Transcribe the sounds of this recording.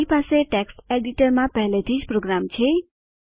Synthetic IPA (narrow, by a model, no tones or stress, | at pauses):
ipaseʈeksʈeɖiʈəɾmãpəɦlet̪ʰid͡ʒpɾoɡɾamt͡ʃʰe